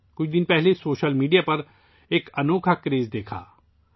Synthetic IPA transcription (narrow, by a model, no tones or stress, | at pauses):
kʊt͡ʃʰd̪ɪnpɛɦlesoːʃəlmiːɖijapɐɾ | eːkɐnoːkʰakɾeːzd̪eːkʰa̰ː